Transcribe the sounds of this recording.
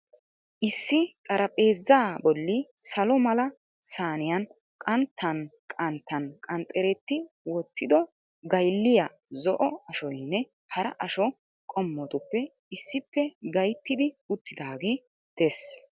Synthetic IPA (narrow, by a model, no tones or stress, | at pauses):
ʔɪsːɪkʼɐɾɐpʼeːzːaːbɔlːɪsɐlɔmɐlɐ | saːnɪjɐn | kʼɐnt̪ʰːɐnkʼɐnt̪ːɐnkʼɐnt̪ʼːɛɾɛt̪ːɪ | wɔt̪ːɪd̪ɔ | ɡɐjlːɪjɐ | zɔʔɔɐʃɔjnːɛ | hɐɾɐʔɐʃɔ | kʼɔmːɔt̪ʊpːɛ | ɪsːɪpːɛɡɐjt̪ːɪd̪ɪʊt̪ːɪd̪aːɡeː | d̪̥es